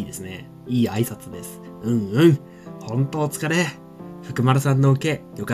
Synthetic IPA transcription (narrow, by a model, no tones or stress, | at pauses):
iːd̪e̞sɨne̞ | iːaisat͡sɨd̪e̞sɨ̥ | ɯ̟̃ɴɯ̟̃ɴ | hõ̞nt̪o̞ːt͡sɨ̥kaɾe | ɸɯ̟̥kɯ̟maɾasãnːo̞ɯ̟ke̞jo̞ka